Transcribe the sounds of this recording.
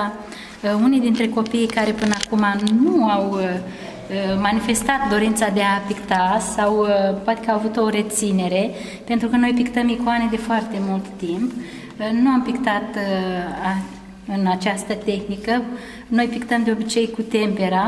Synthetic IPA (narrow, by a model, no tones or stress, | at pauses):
unijd̪int̪ɾe̞ko̞pijkaɾe̞pɨnəakumanuaw | manife̞st̪at̪̚d̪o̞ɾint̪sad̪e̞apikt̪asawpoat̪ekəawavut̪o̞ɾe̞t̪sine̞ɾe̞ | pe̞nt̪ɾukəno̞jpikt̪əmikoane̞d̪e̞foart̪e̞mult̪ːimp | nuampikt̪at̪ | a | ɨnat͡ʃast̪ət̪e̞xnikə | no̞jpikt̪əmd̪eobit͡ʃe̞jkut̪e̞mpeɾa